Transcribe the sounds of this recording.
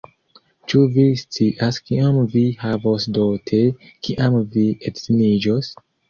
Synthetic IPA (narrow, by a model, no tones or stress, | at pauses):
t͡ʃuvist͡siʔaskiʔamvihavosdotʰekʰiʔamvietzinid͡ʒos